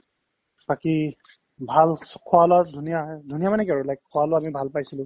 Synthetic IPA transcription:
paki | bʱalkʰɔalɔdʱunijadʱunijamanɛkaɹʊlajk̚kʰːɔalɔamibʱalpajsilʊ̃

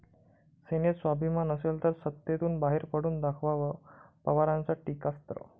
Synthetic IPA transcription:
senesʋabʱimanəselt̪əɾsət̪ːjet̪uːnbaɦeɾpəɽuːnd̪akʰʋaʋəpəʋaɾãnt͡saʈikast̪ɾə̰

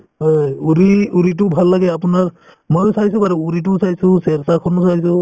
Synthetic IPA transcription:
ɦojuɾiuɾit̬ʊbʱalːaɡɛapunaɹ | mɔjsajsubaɹuuɾit̬usajsũsɛɾsakʰɔnɔsajsu

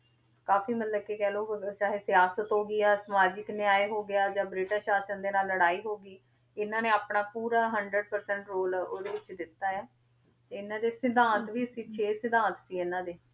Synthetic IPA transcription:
kaːfiːmət̪ləkeːkɛːloːt͡ʃaːɦeːsɪjaːsət̪ɦoːɡiːaːsəmaːd͡ʒɪknɪaːeːɦoːɡɪjaːd͡ʒãːbɾɪːʈaːʃaːʃənd̪eːnaːlːəɽaːiːɦoːɡiː | ɪnãːneːaːpɳaːpuːɾaːɦəɳɖɾəɖ̚pəɾsɛɳʈɾoːloːd̪eːʋɪt͡ʃd̪ɪt̪ːaːɛː | t̪eːɪnãːd̪eːsɪd̪ãːnt̪ʋiːəsiːt͡ʃʰeːsɪd̪ãːt̪siːɪnãːd̪eː

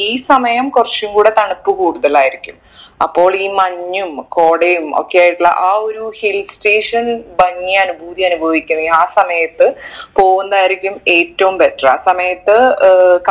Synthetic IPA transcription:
iːsɐmɐjɐmkurɐt͡ɕːumkuːɽet̪ɐɳupːɨkuːɽuðɐlaːjiɾikʲːum | ɐ̰pːo̞ːɭiːmɐɲːumko̞ːɽejumo̞̰kːe̞jaːjʈːuɭːɐ̰ʔaːoɾuhilsʈe̞ːʂɐnbɐŋːijanbʱuːd̪iɐnubʱɐʋikʲːunːɐaːsɐmɐjɐt̪ːɨpo̞ːɣunɐd̪aːjiɾikʲːume̞ːtːɐʋumpe̞ʈrɨa̰ːsɐmɐjɐt̪ːɨk

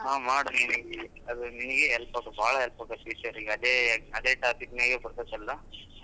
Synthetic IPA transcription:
ɦaːmaːɽuninɐɡe | ɐd̪uninɐɡeɦɛlpɐːkɐbʱaːɭɐɦɛlpɐːkɐsiːsɐɾiɡɐd̪eːɐd̪eːʈaːpikneːɡeːbɐɾt̪ɐt̪ɐlːɐ

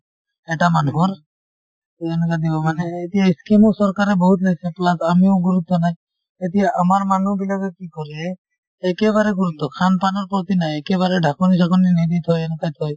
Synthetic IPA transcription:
ɛʈamanuɦɔɾ | enkad̪ibɔmaneet̪iaiskemusɔɾkaɾebɔɦut̪laɡt͡ʃʰeplasamioɡuɾut̪ːɔnaj | et̪iaʔamaɾmanubilaɡekikɔɾeː | keβaɾeɡuɾut̪ːɔkʰanpanɔɾpɔt̪inajekeβaɾeɖʱakɔnisakɔninid̪it̪ɔjenɔkajt̪ʰɔj

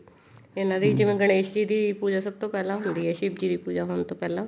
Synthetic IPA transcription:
ɪnãːd̪ed͡ʒɪʋẽːɡəɽ̃eːʃd͡ʒiːd̪iːpuːd͡ʒaːsəb̚t̪õːpɛːlãːɦʊ̃nd̪iːɦɛːʃɪbd͡ʒiːd̪iːpuːd͡ʒaːɦoːnt̪õːpɛːlãː

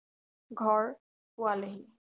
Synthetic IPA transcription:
ɡʱɔɹ | pʊwaleɦi

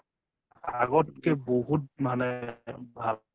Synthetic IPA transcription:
aɡɔt̚kɛboɦut̚manɛbʱa

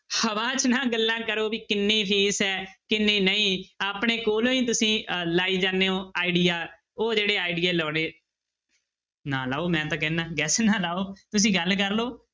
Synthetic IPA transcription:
həʋãːt͡ʃnãːɡəlːãːkəɾoːbiːkɪnːiːpʰiːsɦɛːkɪnːeːnəĩːaːpɳeːkoːlõːĩːt̪ʊsĩːlaːiːd͡ʒaːneːõːaːɪɖiːjaː | oːd͡ʒeːɽeːaːɪɖiːeːlɔːɽeː | nãːlaːoːmɛ̃ːt̪ãːkɛ̃ːnãːɡɛːsnãːlaːoːt̪ʊsĩːɡəlkəɾloː

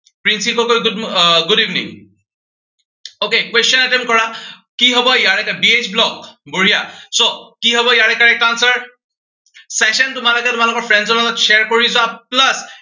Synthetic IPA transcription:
pɹinsipɔkojɡdɡʊdivnḭŋ | okekwestɔnatɛmkɔɹakiɦɔbɔjaɹɛkabiet͡ʃblɔkboɹijasokiɦɔbɔjaɹɛkaɹɛkansəɹ | sɛʃɔntʊmalokɛtʊmalʊkɔɹpʰɹɛndzɔnalɔtʃɛɹkoɹizʊaplas

